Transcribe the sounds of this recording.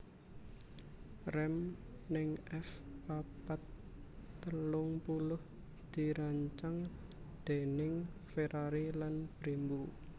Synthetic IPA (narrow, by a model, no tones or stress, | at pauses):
rɛm | nɪŋʔɛfpapat̪ː | əlʊŋpulʊh | d̪̥i̤ɾaɲt͡ʃaŋ | d̪̥e̤nɪŋfeɾʔaɾilanb̥ɾembu